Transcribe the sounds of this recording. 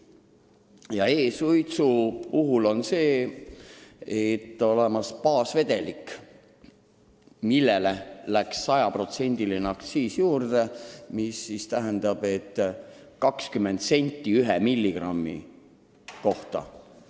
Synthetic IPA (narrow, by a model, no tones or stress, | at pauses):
jɑe̞ːsujt̪supuɦulo̞nse̞ː | et̪ːˑo̞le̞mɑspɑːsve̞d̪̥e̞likː | milːelelæksːɑjɑpro̞t̪se̞nʲd̪̥ilinɑkt̪siːsjuːrd̪̥emisːist̪æɦend̪ɑb̥e̞t̪ː | kɑkskymːe̞nd̪se̞nʲt̪ːiyɦɛmilʲːiɡ̥rɑmːḭ | ko̞ht̪ɑ̰